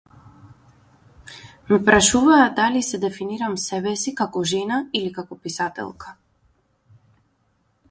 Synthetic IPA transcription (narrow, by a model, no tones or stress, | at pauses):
mɛpɾaʃuvaːd̪alisɛd̪ɛfiniɾamsɛbɛsikakɔʒɛnailikakɔpisat̪ɛ̰lˠkḁ